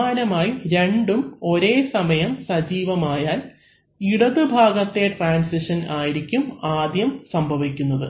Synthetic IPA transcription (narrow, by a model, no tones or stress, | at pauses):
aːnɐmaːjiɾe̞ɳɖumo̞ɾe̞ːsɐmɐjɐmsɐd͡ʑiːʋɐmaːjaːl | iɽɐðɨbʱaːɡɐt̪ːe̞ʈraːnsiʂɐnaːjiɾikʲːumaːd̪jɐmsɐmbʱɐʋikʲːunːɐðɨ